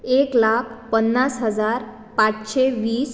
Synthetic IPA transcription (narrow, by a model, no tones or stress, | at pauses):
eklakʰpənːasɦəd͡zaɾ | pat͡sɕeʋiːs